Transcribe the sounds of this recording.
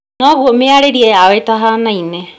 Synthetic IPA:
nɔɣuomeaɾeɾiɛawetaɦanaine

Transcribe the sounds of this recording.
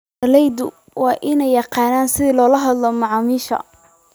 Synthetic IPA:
ɐlɛjd̪ʊ̰ | wɑːʔɪnɛjːɑqɑːnaːnsɪðilɔːlɐɦɐd̪lɔmɑʕɑːmiːʃɐ̰

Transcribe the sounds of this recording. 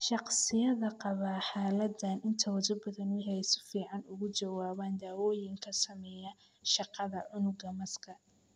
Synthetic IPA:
ʃɑqsɪjɐðɐqɑβaːħaːlɐd̪ɐnʔɪnt̪ʰɐwɐðʊbɐðɐnjħɛsɪ̥fiːʕɑnʊɣʊt͡ʃɐwaːβaːnd̪aːwɔːjɪŋkʰɐsɐmɛjɐ | ʃɑqɑðɐʕʊnʊɡɐmɐskʰɐ

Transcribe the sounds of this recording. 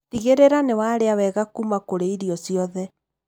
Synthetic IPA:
tiɣeɾeɾanewaɾeawɛɣakumakoɾeiɾiɔsiɔðɛ

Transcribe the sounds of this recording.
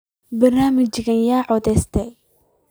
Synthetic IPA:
bɐrnaːmɪt͡ʃɡɐnjaːʕɔðɛst̪ʰɛj

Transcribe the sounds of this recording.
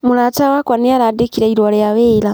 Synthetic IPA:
mulatawakwanijaɾadekiɾaiɾwolejaβeːla

